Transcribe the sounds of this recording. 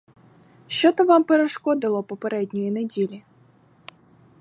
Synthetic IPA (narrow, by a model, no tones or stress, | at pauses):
ɕɔt̪ɔvampɛɾɐʂkɔd̪ɨlˠɔpɔpɐɾɛd̪ʲnʲʊjinʲɛdʲelʲɪ